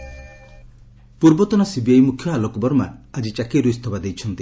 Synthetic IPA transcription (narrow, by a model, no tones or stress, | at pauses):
puɾbɔt̪ɔnasibiajmukʰːjɔalɔkɔbɔɾma̰ad͡ʒit͡ʃakiɾujst̪ʰɔbad̪ejt͡ʃʰɔnt̪i